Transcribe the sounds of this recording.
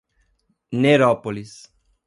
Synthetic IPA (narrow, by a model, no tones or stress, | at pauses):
neɾɔpolis